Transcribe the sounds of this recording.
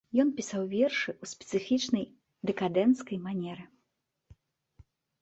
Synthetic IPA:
jɔnpʲisawvʲɛrʂɨusʲpʲɛ̥t̪sɨfʲit͡ʂnɐj | d̪ɛkad̪ɛnt̪skɐjmanʲɛɾɨ

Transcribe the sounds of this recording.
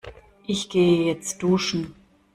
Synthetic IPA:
ʔɪçɡ̥eːəjɛt͡st̚d̥uːʃn̩

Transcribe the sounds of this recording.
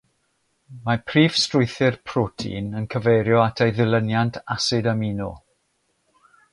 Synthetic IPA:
mapʰriːv̥strʊjθɪrpʰrɔtʰḭnənkʰəvejɾjɔatʰejðɪlˠənjantʰasɪdamiːnɔ̰

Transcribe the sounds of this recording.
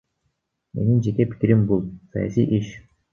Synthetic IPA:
me̞̰nind͡ʒe̞kepi̥kiɾimbulˠsa̰ja̰sʲḭjʔiʃ

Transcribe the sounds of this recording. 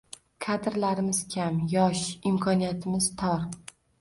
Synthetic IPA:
kʰad̪ɪɾlaɾɪmɪz̥kʲʰamjɒʃɪmkʰɒnijat̪ʰɪmɪz̥t̪ʰɒɾ

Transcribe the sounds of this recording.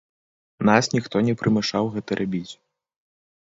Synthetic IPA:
nasnʲixt̪ɔnʲɛpɾʔɨmʲɛʂawɣɛt̪ɐɾʔabʲit͡sʲ

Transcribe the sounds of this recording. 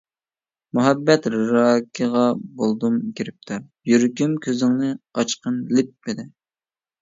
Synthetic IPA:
muɦɛbːɛt̪ɾɾɑkʲʰəʁɑbolˠd̪umkʲiɾɪp̚t̪ʰɨɾ | jyɾkʲymkʲʰøzɪŋnɨɑt͡ʃqənlɪp̚ːɪd̪ɪ

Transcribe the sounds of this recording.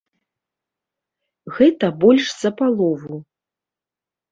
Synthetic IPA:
ɣɛt̪ɐbɔlʲʂz̥ɐpalˠɔvu

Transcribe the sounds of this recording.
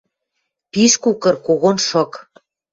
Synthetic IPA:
piʃkukɤ̆rkoɣonʃɤ̆k

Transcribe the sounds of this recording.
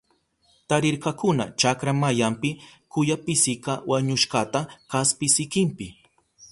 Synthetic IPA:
t̪aɾɪɾkakʊna̰t͡ʃakɾamajampɪkʊjapɪsɪkɑwaɲʊʃɢɑt̪akaspɪsɪkɪmpɪ

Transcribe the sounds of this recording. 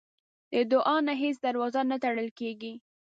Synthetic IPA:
d̪əd̪ʊʔɑnaɦes̬d̪aɾwɑzanat̪aɽəlkeɡi

